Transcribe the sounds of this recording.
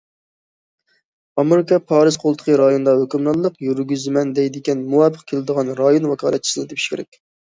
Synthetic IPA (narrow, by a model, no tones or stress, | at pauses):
ɑmeɾɪkʰɑpʰɑːɾɨzqʰolˠt̪ʰə̥qʰəɾɑjond̪ɑhøkʲymlˠɑllːˠəqjyɾɡʲyzmɛnd̪ɛjd̪ɪkʲɛnmuwɑpːə̥qkʲʰelɪd̪əʁɑnɾɑjonwɑkʰɑ̰ːlˠɛt̪̚t͡ʃʰi̥sɨnɨt̪ʰepʰi̥ʃkʲeɾɛ̰kʲ